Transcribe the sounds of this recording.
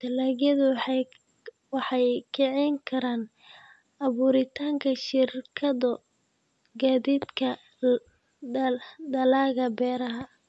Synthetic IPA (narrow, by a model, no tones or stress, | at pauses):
t̪ʰɐlaːɣjɐðʊ | wɑħɑjkʰɛʕɛŋkʰɐɾaːn | ɐβuːɾɪt̪ʰaːŋkʰɐʃɪrkʰɐðɐ | ɡaːðiːd̪kʰɐ | d̪ɐlaːɣɐbɛːɾɐɦɐ